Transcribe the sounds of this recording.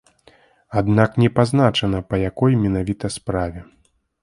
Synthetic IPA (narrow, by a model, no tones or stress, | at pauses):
ad̪naknʲɛpazn̪at͡ʂɐnɐpɐjakɔjmʲɛnavʲit̪ɐspɾavʲɛ